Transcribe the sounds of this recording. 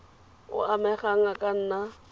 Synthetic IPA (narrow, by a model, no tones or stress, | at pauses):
ʊ̰amɛχaŋ̩akʼan̩ːna